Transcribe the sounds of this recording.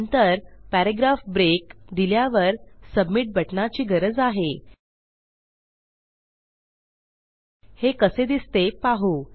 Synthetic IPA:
nt̪əɾpæɾeɡɾafbɾekd̪iljaʋəɾsəbmiʈ̚bʱəʈnat͡ɕiːɡəɾəd͡zaɦe | hekəsed̪ist̪epaɦu

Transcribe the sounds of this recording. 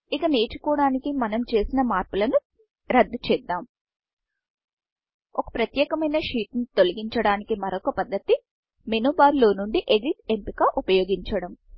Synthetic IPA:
ikɐne̞ːt͡ʃu̥kɔːɽaːnikimɐnɐmt͡ʃe̞ːsinɐmaːɾpulɐnu | ɾɐd̪ːut͡ʃɛːd̪ːaːm | ɔkɐ̥pɾɐt̪jɛːkɐmɐjnɐʂiːʈ̪nit̪o̞liɡiɲt͡ʃɐɽaːnikimɐɾɔkɐpɐd̪ːɐt̪i | menubaːɾlo̞ːnuɳɖiʔed̪it̪e̞mpikaːʔupɐjoːɡiɲt͡ʃɐɽɐm

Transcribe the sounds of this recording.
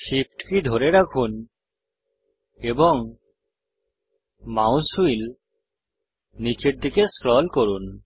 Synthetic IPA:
ʃip̚ʈkid̪ʱoɾeɾakʰun | ebɔŋ | mawsuil | nit͡ʃeɾd̪ikeskɾɔlkoɾun

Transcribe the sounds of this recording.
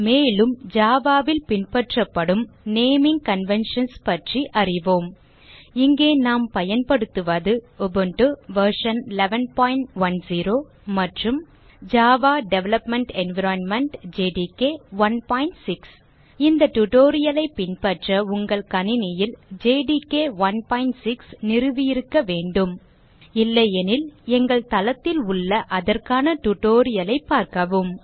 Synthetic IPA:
meːlɯmd͡ʒaːʋaːʋɪlpɪnpɐʈrɐpːɐɽɯmneːmɪŋɡkɐnʋɛnʂɐnspɐʈriʔɐrɪʋoːm | ɪŋɡeːnaːmpɐjɐnpɐɽɯt̪ːɯʋɐðɯɔbɯɳʈɯʋɐɾʂɐnɪlɛʋɛnpaːjɪɳʈʋɐnsiːɾoː | mɐʈrɯm | d͡ʒaːʋaːɖɛʋɛlɐpmɛɳʈɛnʋɪɾanmɛɳʈd͡ʒeːɖikeːʋɐnpaːɪɳʈsɪks | ɪnd̪ɐʈʊʈoːɾɪjɐlɐɪpɪnpɐʈrɐʊŋɡɐɭkɐnɪnɪjɪld͡ʒeːɖikeːʋɐnpaːɪɳʈsɪksnɪɾɯʋɪjɪɾɯkːɐʋeːɳɖɯm | ɪlːɐjɛnɪlɛŋɡɐɭt̪ɐlɐt̪ːɪlʊɭːɐʔɐðɐrkaːnɐʈʊʈoːɾɪjɐlɐɪpːaːɾkɐʋɯm

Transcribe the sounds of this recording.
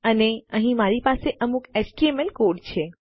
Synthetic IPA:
əneəɦĩmaɾipaseʔəmuket͡ʃʈiemelkoɖt͡ʃʰe

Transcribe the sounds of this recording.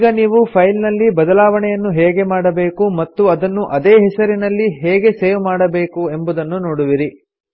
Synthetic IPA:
ɡɐniːʋupʰɐjlnɐlːibɐd̪ɐlaːʋɐɳɛjɐnːuɦeːɡe̞maːɽɐbe̞ːkumɐt̪ːuɐd̪ɐnːuʔɐd̪eːɦɛsɐɾinɐlːiɦeːɡe̞seːʋmaːɽɐbe̞ːkuembud̪ɐnːunoːɽuʋiɾi

